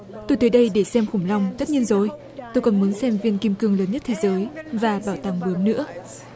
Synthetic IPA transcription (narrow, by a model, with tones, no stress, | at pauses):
t̪o˧˩jt̪ə˨˦jɗə˧jɗe˧˩sɛ˧mxʊ˧˩ŋ͡mla˧wŋ͡mzə˦˥t̚ɲi˧ənzo˨˩j | t̪o˧jkɔ˨˩nmu˨˦ənsɛ˧mvi˧ənki˧mkɨ˧əŋləː˨˦nɲə˦˥t̚t̪ʰe˨˦zəː˨˦jvaː˨˩ɓaː˧˩wt̪aː˧˩ŋɓɨ˨˦əmnɨ̰˧˥ə